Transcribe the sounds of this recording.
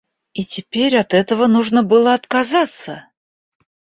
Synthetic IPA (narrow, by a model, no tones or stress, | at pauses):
itʲɪpʲeɾʲɐt̪ɛt̪əvənuʐnəbɨlˠəɐt̪kazat̪sə